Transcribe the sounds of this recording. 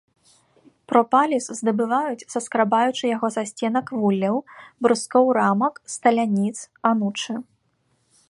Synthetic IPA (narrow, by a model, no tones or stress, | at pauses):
pɾɔpalʲiszd̪ɐbɨvajut͡sʲsɐskɾabajut͡ʂɨjaɣɔzasʲt͡sʲɛnɐkvulʲːɐwbɾɨskɔwɾamɐkst̪ɐlʲanʲit̪s | anut͡ʂɨ